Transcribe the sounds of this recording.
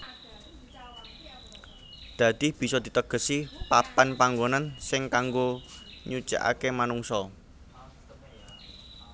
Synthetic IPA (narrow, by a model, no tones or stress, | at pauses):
d̪̥ä̤d̪̥i̤b̥i̤sɔd̪̥i̤t̪əɡ̥ə̤sipapanpaŋɡonansɪŋkaŋɡoɲut͡ʃa̰ʔa̰kemanuŋsɔ